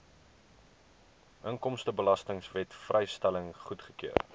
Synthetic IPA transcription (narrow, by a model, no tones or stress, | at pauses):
ʔəŋkɔmstəbəlɐstəŋsvɛtfrʔɛjstæləŋχutχəkiər